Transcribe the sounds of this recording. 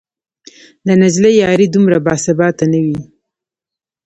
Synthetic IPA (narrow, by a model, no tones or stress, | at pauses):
d̪ənad͡ʒlejɑɾid̪umɾabɑsɪbɑt̪anawi